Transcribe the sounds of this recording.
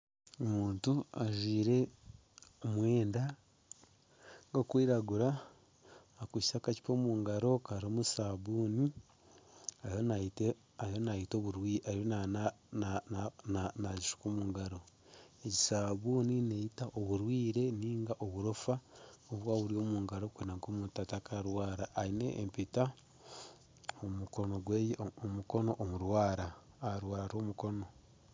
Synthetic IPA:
omuːntuaʒiːɾe̞ | omwe̞ːnda | ŋɡokwiːɾaɡuɾaː | kwiʃsakaci̥po̞muːŋɡaɾo̞kaɾoːmusaːβuːni | ajonaite | ajonaito̞βuɾwiːaɾona | naziʃu̥komuːŋɡaɾo̞ | eɟisaβuːninejitaʔoβuɾwiːɾe̞niːŋɡaʔoβuɾufaoβwaːβuɾio̞ːmuːŋɡaɾo̞kwinaŋkoːmutatakaɾwaːɾaʔːine̞̰ʔːmpita | omuko̞noɡwejomuko̞no̞ʔːmuɾwaːɾa | aɾwaːɾaɾo̞ːmuko̞no̞

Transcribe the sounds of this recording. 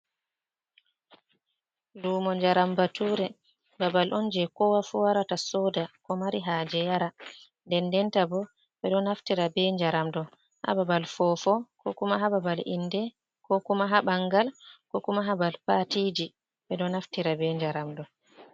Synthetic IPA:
luːmɔɲd͡ʒaɾambatuːɾɛ | babalʔɔnd͡ʒɛkɔwafuwaɾatasɔdakɔmaɾiɦaːd͡ʒɛjaɾa | ndɛndɛntabɔ | bɛɗɔnaftiɾabɛɲd͡ʒaɾamdɔ | ha̰babalfɔfɔkɔkumaɦababalʔḭndɛ | kɔkumaɦabaŋɡalkɔkumaɦabalpatid͡ʒi | bɛɗɔnaftiɾabɛɲd͡ʒaɾamdɔ

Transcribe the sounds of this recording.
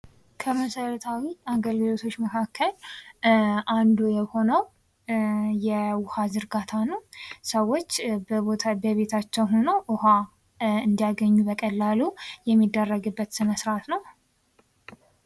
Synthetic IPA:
kʰəməsəɾət̪ʰawiaɡəlɡɨlo̞t̪ʰo̞t͡ʃːməkʰakʰːəl | ʔand̪ujɛho̞nəw | jɛwʊhazɨɾɡat̪ʰanəwsəwːo̞t͡ʃːbot̪ʰabəβe̞t̪ʰat͡ʃːɛwho̞noʔʊha | ɨnd̪ijaɡəɲːubəkʼəlːalujɛmːid̪ːərːəɡɨbːət̪sɨnəsɨɾat̪nəw

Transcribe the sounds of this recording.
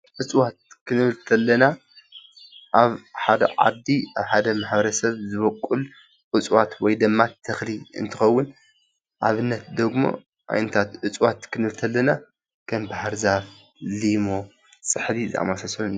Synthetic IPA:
ʔɨt͡sʼwat̪̚kʰɨnɨβɨlt̪ʰɐlːɐna | ʔaβħad̪ɐ̰ʕa̰d̪iʔaβħad̪ɐmaħbɐɾɐsɐβzɨβokʼːul | ʔɨt͡sʼwat̪wɔjd̪ɨmːat̪ʰːɐxliɨ̰nt̪ʰɨxɐwːʊn | ʔaβɨnːɐt̪̚d̪ɐɡmo̰ | ʔa̰jnɐt̪ʰat̪ʔɨt͡sʼwat̪kʰɨnɨβɨlt̪ʰɐlːɐna | kʰɐmbahaɾzaf | limo | sʼɨħdizɨ̰a̰masasɐun

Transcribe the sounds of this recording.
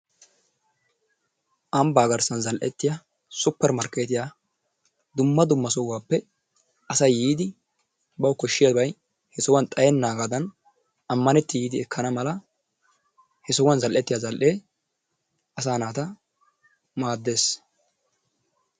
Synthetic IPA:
ʔɐmbaːɡɐɾsɐnzɐlʔɛt̪ːɪjɐ | sʊpːɛɾmɐɾkeːt̪ɪja | d̪ʊmːɐd̪ʊmːɐsɔwːaːpːɛ | ʔɐsɐjjiːd̪ɪ | bɐwkɔʃːɪjabɐj | hɛsɔwɐnt̪ʼɐjɛnːaːɡad̪ɐn | ʔɐmːɐnɛt̪ːɪjiːd̪ɪɛkʰːɐnɐmɐlɐ | hɛsɔwɐnzɐlʔɛt̪ːɪjazɐlʔe̞ː | ɐsaːnaːt̪ɐ | maːd̪ːe̞ːs

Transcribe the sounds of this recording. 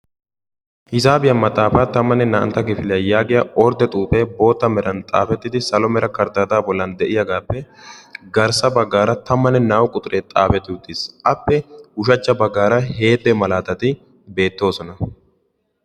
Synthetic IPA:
hɪzaːbɪjɐmɐt̪ʼaːfaːt̪ɐmːɐnːɛnɐʔɐ̰nt̪ːɐkɪfɪlɪjɐjaːɡɪjɐʔɔɾd̪ɛt̪ʼuːpɛːbo̞ːt̪ːɐmɛɾɐnt̪ʼa̰ːfɛt̪ːɪd̪ɪsɐlɔmɛɾʔɐkɐɾd̪aːd̪aːbɔlːɐnd̪ɛʔɪjɐɡaːpːɛɡɐɾsɐbɐɡːaːɾɐt̪ɐmːɐnːɛnaːwkʼʊt̪ʼʊɾʔet̪ʼaːfɛt̪ːɪʊt̪ːɪsʔɐpːɛhʊʃɐt͡ʃːɐbɐɡːaːɾɐɦe̞ːd̪ːɛmɐlaːt̪ɐt̪ɪ | be̞ːt̪ːo̞ːsɔnɐ

